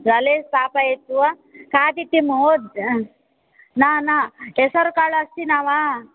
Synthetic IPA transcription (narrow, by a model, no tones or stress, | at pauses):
d͡zalest̪apajet̪ːua | kat̪it̪ːimod̪ | nanaesɔɾkaɭəst̪inaʋa